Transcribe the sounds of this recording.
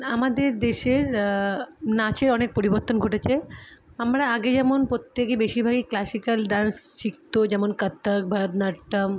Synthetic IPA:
amad̪eɾd̪eʃeɾ | nat͡ɕeɾɔnek̚poɾiboɾt̪ːonɡʱoʈet͡ɕʰe | amɾaaɡed͡ʑɛmonpɾot̪ːekebeʃiɾbʱaɡiklasikəlɖansʃik̚t̪od͡ʑɛmonkət̪ːək̚bʱəɾd̪naʈːəm

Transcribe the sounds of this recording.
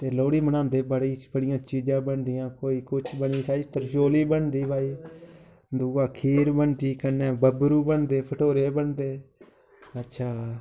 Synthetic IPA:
t̪eːloːɽiːmənãːnd̪eːbəɽiːbəɽɪjãːt͡ʃiːd͡ʒãːbəɳd̪ɪjãːkoːiːkʊt͡ʃʰbəniːsaːiːp̪əɾʃoːliːbəɳd̪iːbʱaːiː | d̪uːɡãːkʰiːɾbəɳd̪iːkənːẽːbəbɾuːbəɳd̪eːpʰəʈʰoːɾeːbəɳd̪eː | ətːʃʰaː

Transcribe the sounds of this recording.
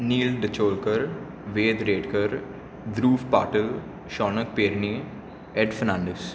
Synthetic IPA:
niːlɖət͡ʃoːlkəɾ | ʋeːd̪ɾeːɖkəɾ | d̪ɾuːfpaːʈəl | ʃɔːnək̚peːɾni | ɛɖfəɾnãːɳɖes

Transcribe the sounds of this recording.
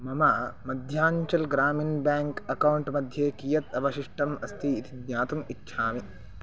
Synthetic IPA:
mɐmaːmɐd̪ʱjaːɲt͡ʃɐlɡɾaːminbaːŋkɐkɐwɳʈmɐd̪ʱjeːkijɐt̪ɐbɐʃiʂʈɐmɐst̪ʰiːt̪id̪ɲaːt̪umitːʃʰaːmi

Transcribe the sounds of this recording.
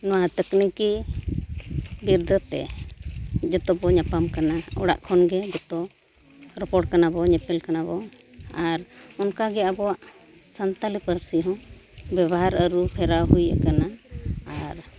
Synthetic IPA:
nɔwat̪əkniki | biɾd̪ət̪ɛ̰ | d͡ʒɔt̪ɔbɔɲapamkanaɔ̰ɽa̰ʔkʰɔnɡɛd͡ʒɔt̪ɔ | ɾɔpɔɽ̚kanabɔɲɛpɛlkanabɔ | aɾɔnkaɡɛabɔwaʔ | sant̪alipəɾsiɦɔ̃bɛβɔɦaɾəɾupʰɛɾawɦuja̰kanaaɾ

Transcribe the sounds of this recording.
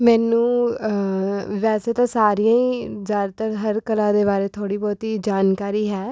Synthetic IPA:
mɛːnũː | ʋɛːseːt̪ãːsaːɾijãːiːzjaːd̪at̪əɾɦəɾkəlãːd̪eːbaːɾeːt̪ʰoːɽiːbɔːt̪iːd͡ʒaːnkaːɾiːɦɛː

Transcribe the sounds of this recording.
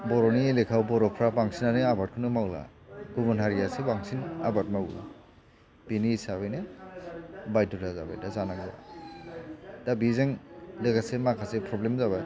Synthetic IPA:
bɔɾɔnielekʰawbɔɾɔpʰɾapaŋsinanɯabat̚kʰɯnɯmawla̰ | ɡubanɦaɾijasebaŋsinabat̚maw̰ | b̥iniːsaβajne | bajtutʰazabajdazanaɡɯa̰ | dabizeŋdeɡasemakʰasepʰɾɔblemzaβaj

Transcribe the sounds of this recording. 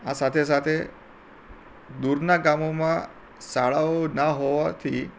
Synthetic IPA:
asat̪ʰes̬at̪ʰe | d̪uɾnaɡamomã | saɭaʋonaɦoʋat̪ʰi

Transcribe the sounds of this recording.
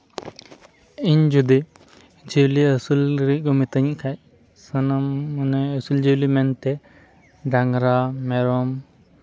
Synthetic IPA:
iɲd͡ʒud̪i | d͡ʒiwliəsulɾiɡɔmit̪əɲkʰaj | sənamunɛəsuld͡ʒiwlimɛnt̪ɛ | daŋɾamɛɾɔm

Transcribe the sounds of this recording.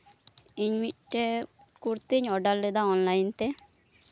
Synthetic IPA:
iɲmiʈːe | kuɾt̪iɲɔɖalːed̪aɔnlajnt̪e

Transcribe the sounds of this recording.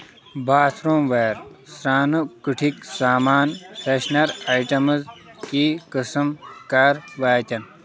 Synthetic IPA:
bʱaːsɾoːmʋɐːɾsɾaːnukɨʈʰiksaːmaːnfʰeʃnɐɾajʈɐmɐz | kiːkəsɐmkaːɾʋaːt̪ʲɐn

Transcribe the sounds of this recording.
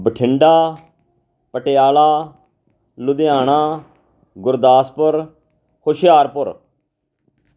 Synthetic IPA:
bəʈʰɪɳɖaː | pəʈejaːlaː | lʊd̪ejaːɽ̃aː | ɡʊɾd̪aːspʊɾ | kʰoʃjaːɾpʊɾ

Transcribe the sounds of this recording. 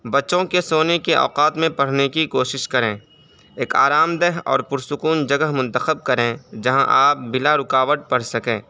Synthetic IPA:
bɐtːʃõkesoːnekeʔɔ̰ːqaːt̪mẽpɐɽ̤nekikoːʃɪʃkɐɾẽː | eːka̰ːɾaːmd̪ɛɦɔ̰ːɾpʊɾsʊkuːnd͡ʒəɡəɦmʊ̃nt̪əxəb̚kəɾẽd͡ʒɐɦã̰ʔaːp̚bɪlaɾʊkaːʋəʈ̪̚pəɽsɐkẽː

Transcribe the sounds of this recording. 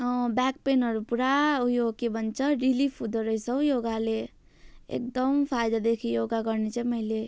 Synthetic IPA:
bɛkpenʌɾupuɾaujokebənt͡ʃʰəɾilipʰud̪əɾəisəjoɡale | ḛk̚d̪əmpʰajd̪ad̪ekʰijoɡaɡəɾnet͡ʃʰɛməɦile

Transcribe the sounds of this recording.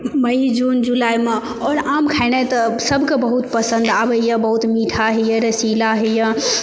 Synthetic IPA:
məid͡ʒuːnd͡ʒulaːime | ɔːɾaːmkʰaɪnɛt̪əsəbʱkebəɦut̪pəsə̃nd̪abəjə̃bəɦut̪miːʈʰaɦɛjə̃ɾəsilaɦɛjə̃

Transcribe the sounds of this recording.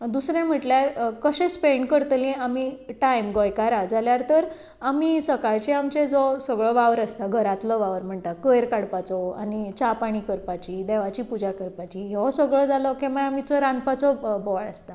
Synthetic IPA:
d̪usɾɛ̃m̤əʈljaɾkəɕẽspeɳɖkəɾt̪lẽamiʈajmɡɔjkaɾad͡zaljaɾt̪əɾ | amisəkaɾt͡ɕẽamt͡ɕẽd͡zɔsəɡɭɔʋaʋɾəst̪aɡʱəɾat̪lɔʋaʋɾm̤əɳt̪akəjɾkaɽpat͡sɔa̰nit͡ɕapaɽ̃ikəɾpat͡ɕiːd̪ɛʋat͡ɕiːpud͡ʑakəɾpat͡ɕiɦeʋɔsəɡɭɔd͡zalɔkɛmaamit͡sɔɾãnpat͡sɔbɔɭəst̪a

